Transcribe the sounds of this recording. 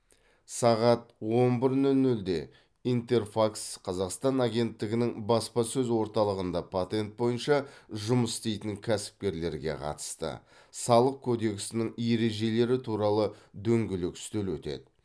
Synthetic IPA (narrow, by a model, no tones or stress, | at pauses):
sɑʁɑt̪̚wo̞nbɪɾnɵlnɵld̪e̞ | ijnt̪e̞rfaksqʰɑzɑqst̪ɑnaɡʲe̞nt̪ːɪɡʲɪnɪŋbɑspɑsɵzwo̞ɾt̪ɑlˠəʁənd̪ɑpʰat̪e̞nt̪̚bo̞jənʃɑʒʊməsst̪e̞jt̪ɪŋkʲʰæsɪ̥p̚kʲe̞ɾle̞ɾɡʲe̞̰qʰɑ̰t̪ə̥st̪ə̰ | sɑlˠəq̚kʲʰod̪e̞ksɪnɪŋje̞ɾe̞ʒe̞le̞ɾɪt̪ʰuɾɑlˠəd̪ɵŋɡʲɪlɪkɪ̥st̪elwɵt̪e̞̰d̪ɪ